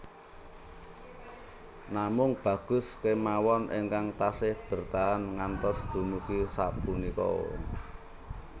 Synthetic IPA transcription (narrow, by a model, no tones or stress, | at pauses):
namʊŋb̥ä̤ɡ̥ʊ̤skemawɔnʔeŋkaŋt̪asɪhb̥ə̤rt̪aɦanŋant̪ɔsd̪̥ṳmukisaʔpunikɔ̰